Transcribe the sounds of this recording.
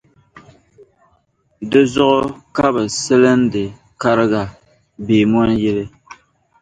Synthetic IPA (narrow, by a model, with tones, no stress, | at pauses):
dɨ˦zʊ˦ʔʊ˦ka˦bɛ˨sɛ˦lɨ˦n˦dɨ˨ | ka˦ɾɪ˦ɡa˨ | beː˨mɔ˦njɛ˦lɨ˦